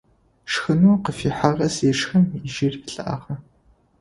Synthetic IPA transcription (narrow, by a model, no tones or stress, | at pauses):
ʂxɨnuqəfiːħaʁɐsjɛʂxɐmiʒɪrpɬʼɨʔa̰ːʁɐ